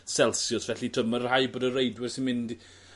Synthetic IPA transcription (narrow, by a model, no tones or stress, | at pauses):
sɛlˠsjɔsvɛɬitʰəmərhajboːdərejdwɪrsɪnmɪnd